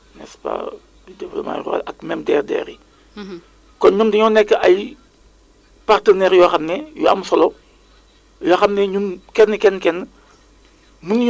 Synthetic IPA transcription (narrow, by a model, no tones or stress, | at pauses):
nɛ̰spa̰ | bidɛplo̰ma̰ra̰lʔɐk̚mɛmdɛːrdɛ̰ːɾi | kɔnɲumdɐɲɔnɛkːəʔɐj | partənɛɾjɔxɐmnɛjɔɐ̰msɔlɔ | jɔxɐmnɛɲumkɛnːəkɛnːkɛnːə | munj